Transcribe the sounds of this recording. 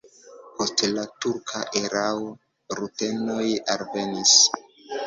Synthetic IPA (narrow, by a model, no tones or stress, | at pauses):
po̞stlatuɾkʰaʔeɾao | ɾuteno̞jalve̞nis